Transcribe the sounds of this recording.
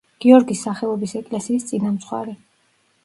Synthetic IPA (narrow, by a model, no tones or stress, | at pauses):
ɡ̥iɔɾɡisːaχɛɔbisɛkʼlɛsiːst̪sʼinamt̪sʰχwa̰ɾɛ